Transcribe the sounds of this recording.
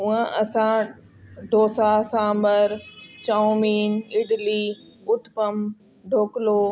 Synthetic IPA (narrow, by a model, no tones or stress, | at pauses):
ʊə̃ʔɐsã | ɖʱoːsasãːmbəɾt͡ɕaumiːnɪɖliː | ʊt̪pəm | ɖʱoːkloː